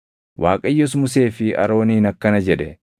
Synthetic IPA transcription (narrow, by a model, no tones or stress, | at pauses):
wʔaːkʼɐjːɔs̬mʊs̬e̞ːfɪʔɐ̰ɾo̞ːniːnɐkːɐnɐd͡ʒɛᶑɛ